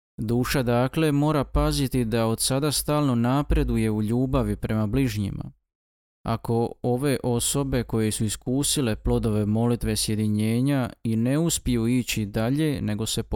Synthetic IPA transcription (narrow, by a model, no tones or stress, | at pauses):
d̪uːʃad̪aːkle̞mo̞ːɾapazit̪id̪ao̞d̪sad̪ast̪aːlˠnonaːpɾe̞d̪uje̞uʎuːbaʋipɾe̞mabliʒɲḭma̰ | a̰ko̞o̞ʋe̞ʔo̞so̞be̞ko̞je̞suiskuːsile̞plo̞d̪o̞ʋe̞mo̞lit̪ʋe̞sje̞d̪iɲe̞ːɲaine̞uspijuiːt͡ɕid̪aʎe̞ne̞ɡo̞se̞p